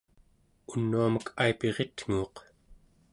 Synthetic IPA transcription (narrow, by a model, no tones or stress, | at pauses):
unːuaməkʰaipe̞ʁet̪ŋ̥uːq